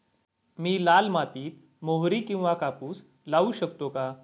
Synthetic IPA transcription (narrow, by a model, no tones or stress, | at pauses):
miːlalmat̪iːt̪̚ | moɦɾiːkĩw̃ʋakapuːs | lauɕəkt̪oka